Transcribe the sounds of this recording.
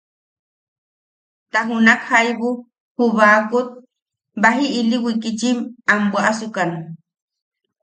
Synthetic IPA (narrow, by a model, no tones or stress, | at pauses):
t̪aɦunakhajβu | huβaːkut̪̚ | baɦiːliwikit͡ʃimambwaʔasukanu